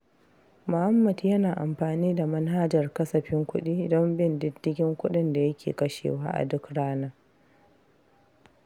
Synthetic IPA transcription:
mʊ˨ha˦mːɐ˨djɐ˦naː˨ʔa˨mɸaː˨niː˦da˨mɐ˦nɦa˦d͡ʒɐ˨rkɐ˦sɐ˨ɸɪ˦ŋkʷʊ˦ɗiː˦dɔ˦mbɪ˦ndɪ˦dːɪ˦ɡʲɪ˦ŋkʷʊ˦ɗɪ˦nda˨jɐ˦kʲḛː˨kɐ˦ʃḛː˨waː˦ʔa̰˨dʊ˦kɽaː˦naː˦

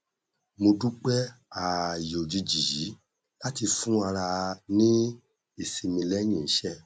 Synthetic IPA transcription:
mo˧du˦k͡pɛ˦a˨jo˨d͡ʒi˧d͡ʒi˨ji˨˦ | la˦ti˧fũ˦a˧ɾa˧nĩ˦ | e˨si˨mĩ˧lɛ˦ɲĩ˦˨n̩˦ʃɛ˦

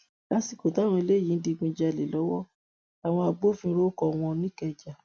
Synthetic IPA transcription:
ka˦si˧ko˨ta˨˦˨wɔ̃˧i˧le˦˨jĩ˨˦n̩˦di˧ɡ͡bĩ˧d͡ʒa˧˨le˨lɔ˨˦wɔ˦ | a˨w̃ɔ̃˧a˧ɡ͡bo˦fĩ˧˦˧ɾo˦kɔ˨w̃ɔ̃˧nĩ˦kɛ˧d͡ʒa˨

